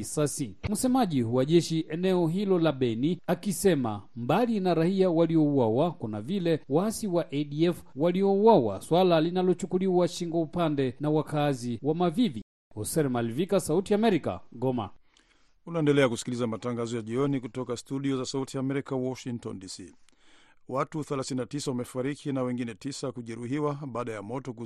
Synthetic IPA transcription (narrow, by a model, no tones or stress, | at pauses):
sasim̩sɛmaʄihuwaʄɛʃiʔɛnɛɔɦilɔlaɓɛniakisɛma̰mbalinaɾahiawaliɔuwawakuna̰vilɛwasiwaʔɛɗiɛfwaliɔuwawa̰swalalinalɔt͡ʃukuliwaʃiŋɡwaupandɛnawakaziwamavivi | hɔsɛɾmalvikasautiamɛɾika̰ɠɔma̰ | unaɛndɛlɛakusi̥kilizamataŋɡazɔjaʄiɔnikutɔkastuɗiɔzasautiamɛɾikawɔʃiŋtɔ̰ndisi | watuθɛlaθininatisawamɛfaɾikʰinawɛŋɡinɛtisakuʄɛɾuɦiwaɓaːɗajamɔtɔku